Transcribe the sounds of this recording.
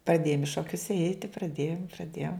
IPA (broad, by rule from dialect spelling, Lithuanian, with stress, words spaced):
prɐˈdʲeːjoːm ɪ ʃoːˈkʲʊs ˈɛɪtʲɪ prɐˈdʲeːjoːm prɐˈdʲeːjoːm